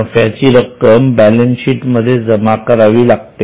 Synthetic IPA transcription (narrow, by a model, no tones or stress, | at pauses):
fjat͡ɕiːɾəkːəmbælensiːʈməd̪ʱːjed͡zəmakəɾaʋiːlaɡt̪e